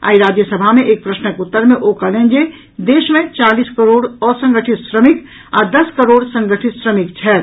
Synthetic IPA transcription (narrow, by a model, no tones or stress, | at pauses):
a̰ːiɾaːd͡ʒjəsəbʱamẽʔeːk̚pɾəsnəekʊt̪ːəɾmẽʔoːkəɾlẽːnd͡ʒe | d̪eːʃmẽt͡ʃaːliːskəɾoːɽɔːsə̃ŋɡəʈʰɪt̪sɾəmɪk | a̰ːd̪ɐskəɾoːɽsə̃ŋɡəʈʰɪt̪sɾəmɪk̚t͡ʃʰɛːɾ